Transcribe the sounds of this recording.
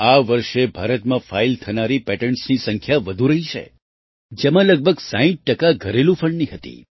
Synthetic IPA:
aʋəɾʃebʱaɾət̪mãfailt̪ʰənaɾipɛʈəɳʈsnisəŋkʰjaʋəd̪ʱuɾəɦit͡ʃʰḛ | d͡ʒemãləɡ̚bʱəɡsãĩʈ̚ʈəkaɡʱəɾelũfʰəɳɖniɦət̪ḭ

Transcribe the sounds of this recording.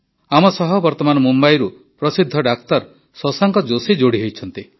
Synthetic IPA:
amɔsɔɦɔbɔɾt̪ɔmanɔmumbajɾu | pɾɔsid̪ʱːɔɖak̚t̪ɔɾ | sɔsaŋkɔd͡ʒosid͡ʒoɽiɦojt͡ʃʰɔnt̪i

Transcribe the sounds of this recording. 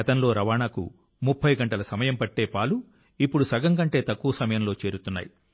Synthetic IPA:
ɐt̪ɐnlo̞ːɾɐʋaːɳaːkṵ | mupʰːɐjɡɐɳʈɐlɐsɐmɐjɐmpɐʈːe̞ːpaːlu | ipːuɽusɐɡɐŋkɐɳʈe̞ːt̪ɐkːuʋɐsɐmɐjɐmlo̞ːt͡ʃe̞ːɾut̪unːa̰ːji

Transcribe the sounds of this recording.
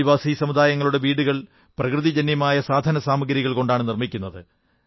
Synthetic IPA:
iʋaːsisɐmud̪aːjɐŋːɐɭuɽe̞ʋiːɽuɣɐɭ | prɐkrɨðid͡ʑɐnjɐmaːjɐsaːd̪ʱɐnɐsaːmɐɡɐɾiɣɐɭko̞ɳɖaːɳɨnirmikʲːunːɐðɨ

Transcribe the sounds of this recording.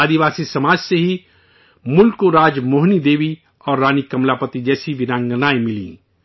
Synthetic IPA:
aːd̪iʋaːsisɐmaːd͡ʒseɦi | mʊlkoɾaːd͡ʒmoːɦnid̪eːʋi | ɔːɾːaːnikɐmlapət̪id͡ʒɛːsiʋɪnãːŋɡənaːemɪlḭ̃

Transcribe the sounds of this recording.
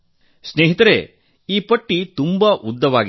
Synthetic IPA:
sneːɦit̪ɐɾe | iːpɐʈːit̪umbɐʔud̪ːɐʋaːɡi

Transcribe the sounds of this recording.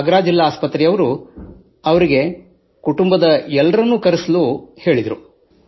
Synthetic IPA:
ɐɡɐɾaːd͡ʒilːaaːspɐt̪ɾijɐʋɐɾu | ɐʋɐɾiɡe̞ | kuʈumbɐd̪ɐɛlːɐɾɐnːuːkɐɾisluhe̞ːɭid̪ɐɾu

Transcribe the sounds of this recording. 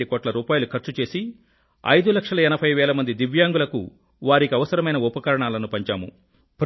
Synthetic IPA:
ikoːʈlɐɾuːpaːjɐlukʰɐɾt͡ʃut͡ʃe̞ːsi | ɐ̰jd̪ulɐkʂɐlɐɛnɐpʰɐjʋɛːlɐmɐnd̪id̪iʋjaːŋɡulɐkṵ | ʋaːɾikiɐʋɐsɐɾɐmɐjnɐupɐkɐɾɐɳaːlɐnupɐɲt͡ʃaːmṵ | pɾ

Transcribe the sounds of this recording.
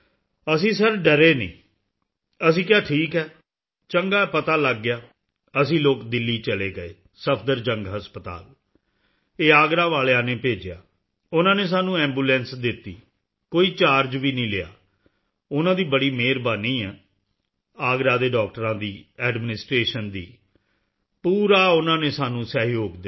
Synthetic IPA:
əsĩːsəɾɖəɾeːnḭ̃ː | əs̬ĩːkjaːʈʰiːkɛː | t͡ʃəŋɡaːpət̪aːləɡːɪjaː | əsĩːloːkd̪ɪlːiːt͡ʃəleːɡəeː | səpʰd̪əɾd͡ʒə̃ŋɡɦəspət̪a̰ːl | eːaːɡɾaːʋaːlejãːnẽːpeːd͡ʒɪja̰ː | ʊnãːneːs̬aːnũːɛ̃ːmbuːlɛ̃ːnsd̪ɪt̪ːḭː | koːiːt͡ʃaːɾd͡ʒʋiːnĩːlɪja̰ː | ʊnãːd̪iːbəɽiːmeːɾbaːnĩːɛː | aːɡɾaːd̪eːɖɔːk̚ʈəɾãːd̪iːɛːɖmɪnɪsʈɾeːʃənd̪ḭː | puːɾaːʊnãːneːsaːnũːsəɦjoːɡd̪

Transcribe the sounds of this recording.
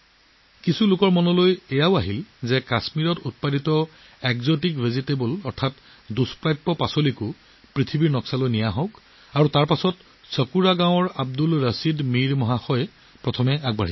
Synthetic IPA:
kisulʊkɔɹmɔnɔlojɛjaʊaɦilzɛkasmiɹɔtut̚paditɔ | ɛkzotikvʱizitebɔlɔɹtʰat | duspɹajpːɔpasolikʊ | pɹitʰibiɹnɔksalojnijaɦɔʊk | aɹutaɹpasɔt | sɔkuɹaɡãw̃ɔɹab̚dulɹəsidmiɹmɔɦaxɔj | pɹɔtʰɔmɛaɡ̚ba̰ɹi

